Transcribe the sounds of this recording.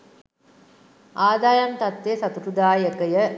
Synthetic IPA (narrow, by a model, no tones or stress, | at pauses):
aːd̪aːjɐnt̪ɐt̪ʋesat̪uɾud̪aːjəkəjə